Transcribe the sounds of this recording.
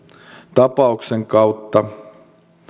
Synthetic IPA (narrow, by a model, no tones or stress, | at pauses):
t̪ɑpɑukseŋkɑut̪ːɑ